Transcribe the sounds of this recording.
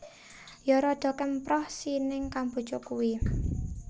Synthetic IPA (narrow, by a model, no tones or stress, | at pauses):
jɔɾɔd̪̥ɔ̤kɛmpɾɔhsinɪŋkambṳ̥t͡ʃɔkuwi